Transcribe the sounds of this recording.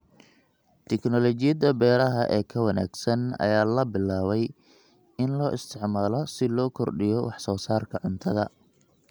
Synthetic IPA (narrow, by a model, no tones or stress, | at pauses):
t̪ʰɛknɔlɔt͡ʃɪjɐðɐbɛːɾɐɦɐʔɛːkʰɐwɐna̰ːɡsɐnɐ̰jaːlɐbɪlːaːβɛj | ɪnlɔːɪst̪ʰɪʕmaːlɔsɪlɔːkʰɔrɖɪjɔwɑħsɔːsaːrkʰɐʕʊnt̪ʰɐðɐ